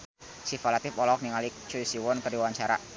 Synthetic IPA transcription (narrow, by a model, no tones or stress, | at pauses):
sifalat̪ɪfɔlɔk̚niŋalik̚t͡ʃuisiwɔnkədiwaɲt͡ʃaɾa̰